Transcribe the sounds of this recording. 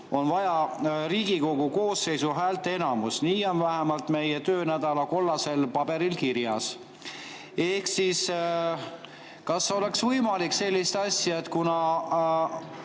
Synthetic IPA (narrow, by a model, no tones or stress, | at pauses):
o̞nvɑjɑɾiːɡ̥iko̞ɡ̥uko̞ːsːe̞jsuɦæːlt̪ee̞nɑmusniːo̞nvæɦæmɑlt̪me̞je̞t̪øːnæd̪̥ɑlɑko̞lːɑse̞lpɑb̥e̞ɾilkiɾjɑs | e̞hksis | kɑsːo̞le̞ksvɤjmɑlikːse̞lʲːist̪ɑsjɑet̪kunɑ